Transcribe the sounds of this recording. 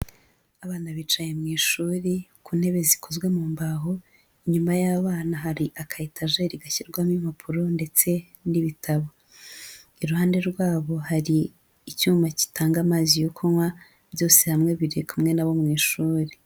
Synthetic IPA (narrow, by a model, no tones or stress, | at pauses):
aβaːnaβit͡ʃajemŋiːʃuːɾikuːn̥he̞βe̞zikʰo̞zɡwe̞muːmbaɦo | iɲumajaβaːnaɦaɾiʔakʰaitʰaʒe̞ɾiɡaçiɾɡwamimapʰuɾo̞nde̞t͡se̞ | niβitʰaβo̞ | iɾuhaːnde̞ɾɡwaːβo̞haɾiː | cuːmaci̥taːŋɡamaːzijokʰoŋwa | bjo̞ːsehamŋe̞βiɾikumŋe̞naβo̞mŋiːʃuːɾi